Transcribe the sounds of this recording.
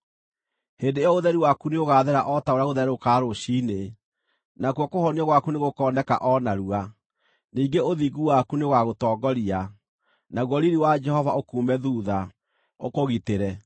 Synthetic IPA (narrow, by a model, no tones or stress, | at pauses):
heːndeeɔoðɛɾiwakuneoɣaːðɛɾaʔɔtaoɾjaɣoðɛɾokaːɾoʃine | nakwɔkohɔniɔɣwakuneɣokɔːndɛka̰ʔɔnaɾua | niːŋɡeoðiːɡuwakuneɣwaɣotɔːɡɔɾia | naɣwɔɾiɾiwad͡ʒɛhɔvaokuːmɛðuːða | okoɣiteɾɛ